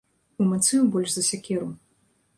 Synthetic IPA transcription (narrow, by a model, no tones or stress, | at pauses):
umat̪sɨjubɔlʲʂzɐsʲakʲɛɾu